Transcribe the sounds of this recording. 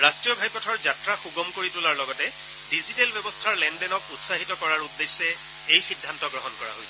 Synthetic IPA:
ɹastɹijɔbʱajpɔtʰɔɹzatɹaxuɡɔmkoɹitulaɹlɔɡɔtɛ | dizitelbɛbɔstʰaɹlɛndɛnɔkutsaɦitɔkɔɹaɹudːesːɛ | ejxidʱːantɔɡɹɔɦɔnkɔɹa̰ɦojsɛ

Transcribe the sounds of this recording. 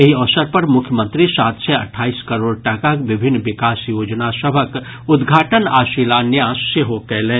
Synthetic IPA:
jɐɦiɔsəɾpɐɾmʊkʰjəmə̃nt̪ɾisaːt̪seɐʈʰaːiːskɐɾoːɽʈɐkakʋɪbʱɪnːʋɪkaːsjoːd͡ʒnasɐbʱək | ʊd̪ɡʱaːʈənaːʃiːlaːnjaːsːeɦokɛːlẽː

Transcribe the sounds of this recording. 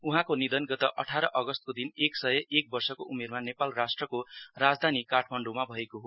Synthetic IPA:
uɦãkonid̪ʌnɡʌt̪ʌʔʌʈʰaɾʌʔʌɡʌst̪̚kod̪ineksʌjʌʔek̚bʌrsʌkoʔumermanepalrasʈrʌkorad͡zd̪ʱanikaʈʰmʌɳɖumabʱʌekoɦo

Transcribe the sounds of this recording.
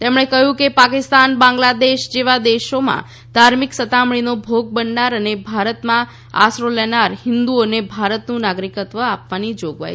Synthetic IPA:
t̪emɳ̃ekəɦjũkepakɪst̪anbãŋɡlad̪eʃd͡ʒeʋad̪eʃomã̰ | d̪̥ʱaɾmiksət̪amɳinobʱoɡ̚bəɳɖaɾənebʱaɾət̪mã | a̰sɾolenaɾhɪnd̪uonebʱaɾət̪nũnaɡɾikət̪ʋəapʋanid͡ʒoɡʋa̰j

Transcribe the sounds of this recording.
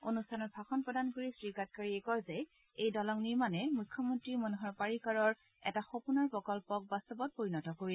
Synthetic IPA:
onustʰanɔt̚bʱaxɔnpɹɔdankoɹisɹikat̚kaɹiɛkɔɹzɛ | ejdɔlɔŋniɹmanɛmujkʰːɔmɔntɹimɔnuɦɔɹpaɹikaɹɔɹ | ɛ̰taxopunaɹpɹɔkɔlpɔk̚bastɔbɔt̚poɹinɔtɔkoɹi

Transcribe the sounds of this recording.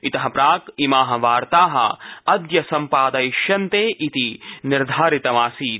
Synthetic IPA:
it̪ɐɦɐpɾaːkimaːɦɐ̆ʋaːɾt̪aːɦɐ̰ɐd̪jɐsɐmpaːd̪ɐiʃjɐnt̪eːʔit̪iniɾd̪ʱaːɾit̪ɐmaːsiːt̪̚

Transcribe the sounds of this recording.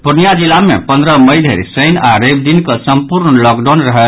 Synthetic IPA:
puɾnijad͡ʒilamḛpənd̪ɾəməjd̪ʱeɾisəjnaɾebd̪inkəsəmpuɾnlɔkɖawnɾəɦɛ

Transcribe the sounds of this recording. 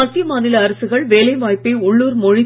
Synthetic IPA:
ɐt̪ːɪjɐmaːnɪlɐːɾɐsɯɣɐɭʋeːlɐɪʋaːjpːɐɪʊɭːuːɾmɔɻɪ

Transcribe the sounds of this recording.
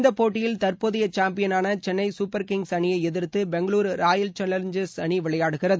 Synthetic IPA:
nd̪ɐpːoːʈːɪjɪlt̪ɐrpoðɪjɐt͡ʃaːmpɪjɐnaːnɐt͡ʃɛnːɐɪsupːɐɾkɪŋɡsɐnɪjɐɪɛðɪɾt̪ːɯbɛŋɡɐɭuːɾɾaːjɐlt͡ʃɛnːɐɾɲd͡ʒɐsɐniʋɪɭɐjaːɽɯɣɪrɐðɯ

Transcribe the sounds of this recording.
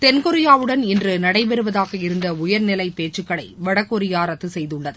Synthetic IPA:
t̪ɛnkɔɾɪjaːʋɯɽɐnɪndrɯnɐɽɐɪʋɛɾɯʋɐðaːɣɐɪɾɯnd̪ɐʊjɐɾnɪlɐɪpeːt͡ʃːɯkːɐɭɐɪʋɐɽɐkːɔɾɪjaːɾɐt̪ːɯsɛjðɯɭːɐðɯ

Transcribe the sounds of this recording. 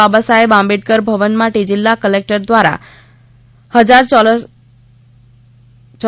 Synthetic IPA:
abəsaebãmbiʈ̚kəɾbʱəʋənmãʈid͡ʒilːakəlek̚ʈəɾd̪ʋaɾa̰ | həd͡ʒaɾ | t͡ʃ

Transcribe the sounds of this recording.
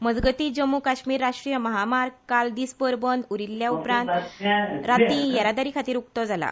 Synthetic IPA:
məd͡zɡət̪iːd͡ʑəmːukaɕmiːɾːaʂʈɾijəməɦamaɾkald̪iːsbəɾbənd̪uɾilːjaupɾãnt̪ɾat̪ijəɾad̪aɾikʰat̪iːɾuk̚t̪ɔd͡zala̰

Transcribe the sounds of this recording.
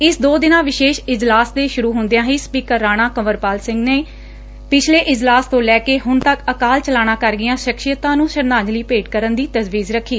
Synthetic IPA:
ɪsd̪oːd̪ɪnãːʋɪʃeːʃɪd͡ʒlaːsd̪eːʃʊɾuːɦʊnd̪ejãːɦiːspiːkəɾːaːñaːkəməɾpaːlsɪ̃ŋɡneː | pɪt͡ʃʰleːʔɪd͡ʒlaːst̪õːlɛːkeːɦʊnt̪əkəkaːlt͡ʃəlaːɽ̃ãːkəɾɡɪjãːʃɪkʃijət̪ãːnũːʃəɾnaːd͡ʒliːpeːʈkəɾənd̪iːt̪əzʋiːzɾəkʰːiː

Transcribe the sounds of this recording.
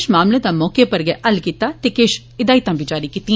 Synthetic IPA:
ʃmaːmleːd̪aːmɔːkepəɾɡɛɛʔəlkiːt̪aːt̪ekeːʃ | ɪd̪aːit̪ãːbʱiːd͡ʒaːɾikiːt̪ĩ

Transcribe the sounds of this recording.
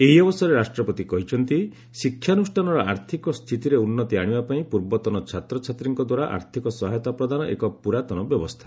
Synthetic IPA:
eɦiɔbɔsɔɾeɾasʈɾɔpɔt̪ikɔɦit͡ʃʰɔnt̪i | sikʰːjanusʈʰanɔɾɔʔaɾt̪ʰikɔst̪ʰit̪iɾeunːɔt̪iaɽ̃ibapaĩpuɾbɔt̪ɔnɔt͡ʃʰat̪ɾɔt͡ʃʰat̪ɾiŋkɔd̪waɾaʔa̰ɾt̪ʰikɔsɔɦajɔt̪apɾɔd̪anɔʔḛkɔpuɾat̪ɔnɔbjɔbɔst̪ʰḁ

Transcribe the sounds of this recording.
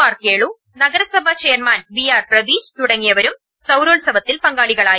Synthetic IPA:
aːrkeːɭu | nɐɡɐɾɐsɐbʱɐt͡ɕeːrmaːnʋijaːrprɐʋiːd͡ʑt̪uɽɐŋːijɐʋɐɾum | sɐwɾoːlsɐʋɐt̪ːilpɐŋɡaːɭiɣɐɭaː

